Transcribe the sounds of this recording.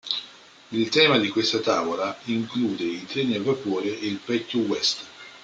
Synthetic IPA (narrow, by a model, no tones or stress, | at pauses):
ilt̪ɛːmad̪ikwest̪at̪aːvolaiŋkluːd̪eit̪ɾeːniavːapoːɾeːlpɛkːowɛst̪